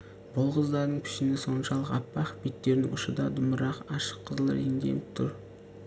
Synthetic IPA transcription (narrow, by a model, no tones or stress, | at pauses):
b̥ʊlˠʁəzd̪ɑɾd̪əɴkʲʰʏ̥ʃɪnɪso̞nʃɑlˠəqɑpːɑχbet̪ːe̞ɾɪnɪ̰ŋʊʃəd̪ɑd̪ʊməɾɑqɑʃə̥qʰːəzlˠɑ̰ɾeŋd̪ḛnɪp̚t̪ʰʊɾ